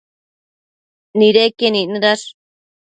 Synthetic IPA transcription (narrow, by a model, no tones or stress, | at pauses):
niɾekeninɾaʂ